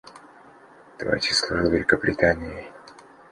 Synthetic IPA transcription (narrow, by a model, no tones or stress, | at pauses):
t̪va̰t͡ʃɪslˠovʲɪlʲɪkəbɾʲɪt̪anʲɪjɪ